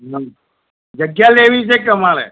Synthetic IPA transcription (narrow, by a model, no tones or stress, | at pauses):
nə | d͡ʒəɡjaleʋit͡ʃʰekəmaɾḛ